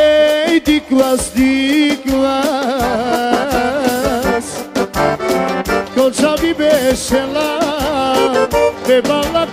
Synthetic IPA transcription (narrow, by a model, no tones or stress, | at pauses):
jd̪iklasd̪ikla | s | kɔ̃t͡ʃabibeʃɛla | bebala